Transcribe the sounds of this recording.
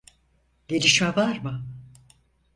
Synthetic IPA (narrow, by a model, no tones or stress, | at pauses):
ɟ̥e̞lʲiʃmɛvaɾmɯ